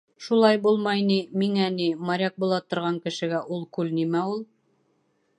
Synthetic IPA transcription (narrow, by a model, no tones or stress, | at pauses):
ʃulˠɑjbulˠmɑjnimiŋænimɑɾʲɑk̚bulˠɑt̪ŏɾʁɑŋkɘ̆ʃɘ̆ɡæʔulˠkʉlnimæulˠ